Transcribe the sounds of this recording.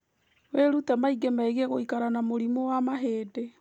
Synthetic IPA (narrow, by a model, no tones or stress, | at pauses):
weɾutamaiɡemaeɣeɣoikaɾanamoɾimowamaɦeːde